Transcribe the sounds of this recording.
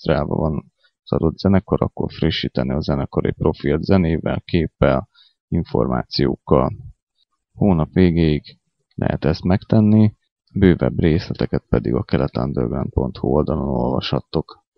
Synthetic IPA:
t̪raːlvɒ̰vɒn | sɒɾod̪z̥ɛnɛko̞ɾɒkːo̞rfriʃːiːt̪ɛnːiɒzɛnɛkoɾḛpro̞filt̪zɛneːvɛlkeːpːɛl | iɱfo̞rma̰ːt̪sijo̰ːkːɒl | hoːnɒpʋeːɡeːiɡ | lʔɛ̰ɦɛt̪ɛst̪mɛkt̪ɛnːi | bøːvɛbreːslɛt̪ɛkɛt̪̚pɛd̪iɡɒkɛlɛt̪ɛnd̪ørɡrɛnt̪̚po̞nt̪huold̪ɒlo̞no̞lvɒʃhɒt̪ːo̞k

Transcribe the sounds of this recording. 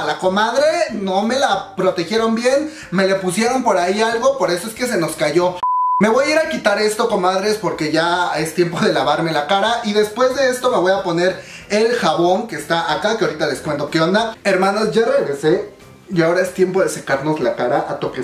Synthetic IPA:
lako̞maðɾe̞no̞me̞lapɾo̞t̪e̞xjeɾo̞mbje̞n | me̞le̞pusje̞ɾo̞mpo̞ɾaialɣo̞po̞ɾe̞so̞e̞ske̞s̬e̞no̞skaʝo̞me̞βo̞jaiɾakit̪aɾe̞st̪o̞ko̞maðɾe̞spo̞ɾke̞ʝae̞st̪je̞mpo̞ðe̞laβaɾme̞lakaɾaʔiðe̞spwe̞zðe̞est̪o̞me̞β̞o̞japo̞ne̞ɾ | elxaβo̞ŋke̞ːst̪aʔakakeaoɾit̪ale̞skwe̞nt̪o̞keo̞nd̪aeɾmãno̞sʝare̞ɣɾe̞se | iao̞ɾae̞st̪je̞mpo̞ðesakaɾno̞zlakaɾaʔat̪oke

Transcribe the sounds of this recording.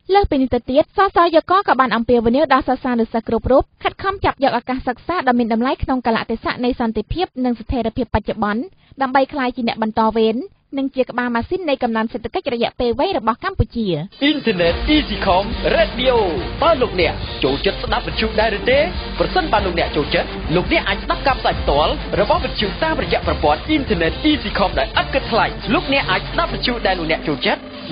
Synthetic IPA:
ləːhpiːniht̪əwt̪iət̪̚sɑːsɑːjɔːkɑːkɑːɓaːnʔɑmpiəʋiniəwɗɑlsəsaːnɨwsəhkrup̚ruːp̚kʰət̪̚kʰɑmt͡ɕap̚jɔːk̚ʔaːkaːhsək̚saːɗaɔmiənɗɑmlajkʰnoŋkala̰ʔt̪ʰeːsa̰ʔnɨjsɑnt̪epʰiəp̚nɨŋsat̪ʰeːɾiəpʰiəpːac̚t͡ɕoɓɑn | ɗaəmɓəjkʰlaːjt͡ɕiənɛ̆əʔɓɑnt̪ɑːʋeːnː | ɨŋt͡ɕiəkə̆ɓaːmaːsiːnːɨjkɑmnanseːt̪ʰakəc̚rɔjɛ̆əʔpeːlʋɛːɲrɔɓɑhkampuct͡ɕiəʔint̪ʰɛneːt̪̚ʔiːsiːkʰɑmreːt̪̚ɗiʔoːt̪aəloːk̚nɛ̆əʔt͡ɕoːlt͡ɕət̪̚sɗap̚ʋitc̪ʰjuːʔɗaɛlɾɨt̪eːprɑsənɓaːloːk̚nɛ̆əʔt͡ɕoːlt͡ɕət̪̚loːk̚nɛ̆əʔːaːc̚sɗap̚kaːpʰsaːjpʰt̪ŏəlrɔɓɑhʋit̪ʰjuːʔt̪aːmrɔjɛ̆əʔprɑpŏənʔint̪ʰɛnɛːt̪̚ʔiːsiːkʰomɗaɛlʔət̪̚kɨt̪̚k̪ʰlajloːk̚nɛ̆əʔːaːc̚sɗap̚ʋict̪̚ʰjuːʔɗaɛloːk̚nɛ̆əʔt͡ɕoːlt͡ɕət̪̚

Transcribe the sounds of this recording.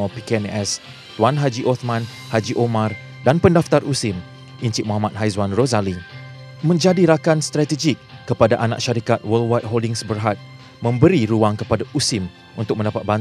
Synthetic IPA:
apikɛnɛs | t̪wanɦad͡ʒiʔɔt̪mãn | had͡ʒiʔomãr | danpəndaft̪arʔusɪm | ʔiɲt͡ʃiʔmɔ̃ɦamat̪̚ɦajzwanrozali | mə̃ɲd͡ʒadiɾakanst̪ɾat̪ed͡ʒɪkːəpadaʔanã̰k̚ʃaɾikat̪̚wəlwajt̪̚ɦoldɪŋsbərɦat̪̚ | mə̃mbəɾiɾuaŋkəpadaʔusɪm | ṵnt̪ʊk̚mə̃ndapat̪̚ban

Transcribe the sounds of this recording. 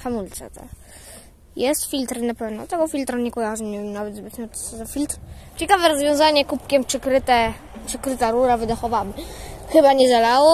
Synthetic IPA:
xamult̪sɛ̰t̪a̰ | jɛst̪fʲilt̪ɾnapɛvnɔ̰t̪ɛɡɔfʲilt̪ɾaɲɛkɔjaʐɲiɲɛnavɛd̪zbɘt̪nɔt̪szafʲilt̪ɾt͡ɕɛkavɛɾɔzvʲjɔ̃w̃zaɲɛkupkʲɛmpʂɛkɾɘt̪ɛ | pʂɛkɾɘt̪aɾuɾavɘd̪axɔvamɘxɘbaɲɛzalawɔ

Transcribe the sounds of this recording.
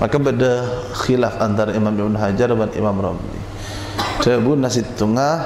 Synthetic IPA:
mʔa̰kabəda | xilafant̪aɾaimamibnɦad͡ʒarbanḭmamɾɔ̰mlḭ | səbunasit̪ːuŋa

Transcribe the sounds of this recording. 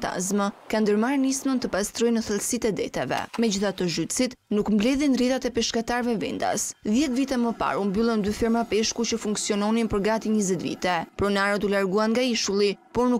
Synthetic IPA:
t̪a̰zməkand̪əɾmaɾnismənt̪əpast̪ɾɔjnəθəlsit̪ɛd̪ɛ̰t̪ɛvɛ̰mɛd͡ʑiθat̪əʒyt̪sit̪nukmblɛðinriðat̪ɛpɛʃkat̪aɾvɛvɛ̰nd̪a̰sðjɛt̪vit̪ɛməpa̰ɾumbylˠənd̪yfiɾmapɛʃkut͡ɕəfuŋksiɔnɔnimpəɾɡat̪iɲəzɛt̪vḭt̪ɛpɾɔnaɾət̪ulaɾɡuanŋɡaiʃulˠipɔɾnu

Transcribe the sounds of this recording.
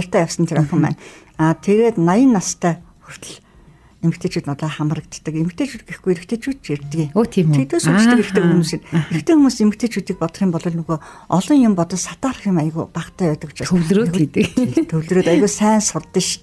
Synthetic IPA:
r̥t̪ʰæːjawsə̆nt̪ʰeɾœxʲə̆mpæ̰ːn | at̪ʰeɾeːt̪najə̆nːast̪ʰːæːxur̥t̪ə̆ɮ | emɘ̆k̚t̪ʰeːt͡ɕuːt̪nɔt̪ɮɔːχam̆rə̆k̚t̪ːə̆kemɘ̆k̚t̪ʰeːt͡ɕuːt̪̚ɡexɡujeɾɘ̆kt̪ʰeːt͡ɕuːt̪̚t͡ɕert̪ɘ̆kiːoːt̪ʰiːit̪ʰuːsuə̆keɾ̆kt̪ʰeːxumuːsĭneɾɘ̆kt̪ʰeːxumuːsemɘ̆kt̪ʰeːt͡ɕuːt̪iːk̚pɔt̪̆χʲiːmpɔɮɞ̆ɮnɵɣoː | ɔɮɞ̆ŋjʊmpɔt̪ɞ̆t͡ɕsḁt̪aːrχʲjimajəɣupaːqt̪ʰæːœːt̪ə̆kʊ̥t͡ɕaɵwɮroːet̪kt̪ʰɵwɮ̆ɾoːt̪ajəɣuːsæːnsʊrt̪ə̆ʃ

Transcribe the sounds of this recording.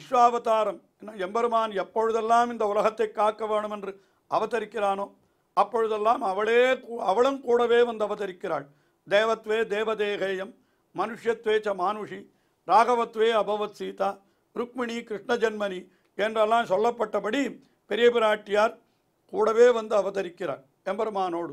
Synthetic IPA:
ɪʂʋaːʋɐt̪aːɾɐm | ɛnːɐɛmbɐɾɯmaːnɛpːɔɻɯðɛlːaːmɪnd̪ɐʊlɐɣɐt̪ːɐɪkːaːʈkːɐʋeːɳɯmɛndrɯ | ɐʋɐt̪ːɐɾɪkːɪɾaːnoː | ɐpːɔɻɯðɛlːaːmɐʋɐɭeːkːɐʋɐɭɯmkuːɽɐʋeːʋɐnd̪ɐʋɐt̪ɐɾɪkːɪɾa̰ːɭ | d̪eːʋɐt̪ʋeːd̪eːʋɐd̪eːɦeːjɐmː | ɐnʊʂjɐt̪ʋeːt͡ʃɐmaːnuʂi | ɾaːɣɐʋɐt̪ʋeːɐbʱɐʋɐt̪siːt̪aː | ɾʊk̚mɪɳikɾɪʂɳɐd͡ʒɐnmɐni | ɛndrɐlːaːnsɔlːɐpːɐʈːɐpɐɽi | pɛɾɪjɐpɪɾaːʈːɪjaːɾ | kuːɽɐʋeːʋɐnd̪ɯɐʋɐt̪ɐɾɪkːɪɾa̰ːɭ | ɛmbɐɾɯmaːnoːɽɯ

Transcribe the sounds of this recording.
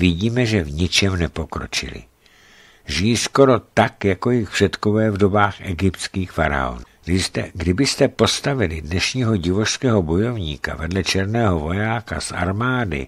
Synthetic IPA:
vɪɟiːmɛʒɛvɲɪt͡ʃɛmnɛpo̞kɾo̞̰t͡ʃɪ̰lɪ̰ | ʒɪjisko̞ɾo̞t̪akjako̞jɪxpr̥ɛt̪kovɛːvdo̞baːxʔɛɡɪpt̪t͡skiːxfaɾa̰o̞̰nu | dɪst̪ɛɡdɪbɪst̪ɛpo̞st̪avɪlɪdnɛʃɲiːɦo̞ɟɪvo̞ʃskɛːɦo̞bo̞jo̞vɲḭːka̰vɛdlɛt͡ʃɛɾnɛːɦo̞vo̞jaːka̰sʔa̰ɾmaːdɪ̰

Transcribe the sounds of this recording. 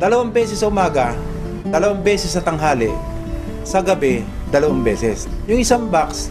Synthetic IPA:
d̪̥ɐlɐwambɛːsɛsːɐʊmaːɡɐ | d̪ɐlɐwambɛːsɛsːɐt̪ɐŋɦaːlɪ | sɐɡɐbɛd̪ɐlɐwambɛːsɛs | jʊŋɪsaŋbaks

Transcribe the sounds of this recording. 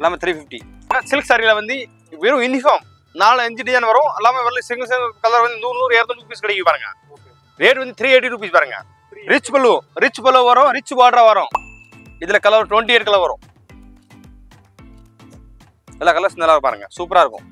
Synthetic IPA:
ɛlːaːmɐt̪ʰɾiːfɪfʈḭ | asɪlksaːɾilɐʋɐnd̪ɯ | ʋɪɾũɪnːifoːm | naːlɛɲd͡ʒiɖɪd͡ʒaːnʋɐɾʊ̃ɛlːaːmɐʋɐɾlɯsɪŋɡɐsɪkɐlːɐɾʋɐnd̪ɯnuːɾnuːɾeːɾunɾuːpiːskɪɽɐɛkːɯʋipːaːɾɯŋɡɐ̰ | ɾeːʈɐnd̪ɯt̪ʰɾiːeːʈ̬ːiɾuːp̬iːspaːɾɯːŋɡɐ̰ | ɾɪt͡ʃːpɐloɾɪt͡ʃːpɐlːoːʋɐɾʊ̃ɾɪt͡ʃːbaːɖɾaʋɐɾʊ̃ | ɪðɪlɐkɐlːɐɾʈʋɔɳʈieːʈ̚kɐlɐɾʋɐɾʊ̰̃ | ɛlːaːkɐlːɐɾsnɐlːaːɾkːpːaːɾɯ̰ŋɡɐ̰suːpɐɾaːɪɾɯkːʊ̰̃

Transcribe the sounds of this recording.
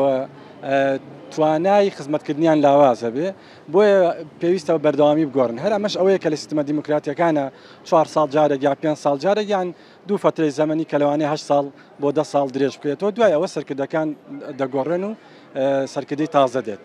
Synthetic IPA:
wɐ | t̪ʰwaːnaːjixɨzmɐt̪̚kɨɾd̪ɨnijaːnlaːwaːzhɐbe | bojɐpeːwiːst̪ɐbɐbɐɾd̪ɐwaːmiːbɨɡoːrɨnɦɐɾɐmɐʃɐwɐjɛkɐlɐsi̥st̪əmɐd̪imokɾaːt̪ijɐkaːna | t͡ʃwaːɾsˤɑːld͡ʒaːɾekjaːpeːnd͡ʒsɑːlˠd͡ʒaːɾekjan | d̪ufɐt̪ɾejzɐmɐniːkɐlɐwaːneɦɐʃt̪sɑːlˠ | bod̪ɐsˤɑːlˠd̪ɨɾeːʒb̚kɐjeːt̪ɐwɐd̪waːjɐwɐsɐɾkɨɾd̪ɐkaːnd̪ɐɡoːreːnu | sɐɾkɨɾd̪ɨjt̪ɑːzɐd̪eːt̪̚

